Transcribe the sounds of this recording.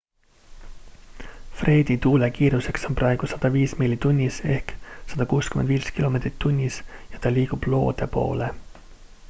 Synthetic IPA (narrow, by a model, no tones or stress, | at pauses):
frʔe̞ːd̪it̪uːle̞kiːɾuse̞kso̞nprʔɑe̞ɡ̥usɑd̪̥ɑviːsmilʲːit̪unʲːise̞hksɑd̪̥ɑkuːskymḛnd̪viːskilo̞me̞t̪ri̥t̪ːunʲːisjɑt̪ɑlʲiːɡ̥ub̥lo̞̰ːd̪̥e̞po̞̰ːle̞